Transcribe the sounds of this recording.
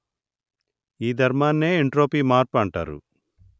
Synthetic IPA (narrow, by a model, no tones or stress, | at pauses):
iːd̪ʱɐɾmaːnːeːiɳʈɾo̞ːpiːmaːɾpɐɳʈa̰ːɾṵ